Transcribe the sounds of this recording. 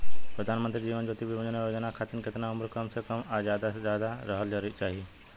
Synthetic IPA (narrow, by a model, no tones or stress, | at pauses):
pɾɐd̪ʱaːnmənt̪ɾid͡ʒiːʋənd͡ʒoːt̪iʋɪʋəd͡ʒənjod͡ʒənakʰaːt̪ənkɪt̪nauməɾkɐmsekɐmad͡ʒaːd̪aezjaːd̪aɾɐɦəld͡ʒt͡ʃaːɦie